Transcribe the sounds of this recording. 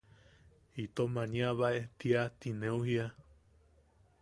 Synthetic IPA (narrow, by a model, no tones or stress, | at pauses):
it̪omãɲĩaβaʔet̪iat̪inẽuhia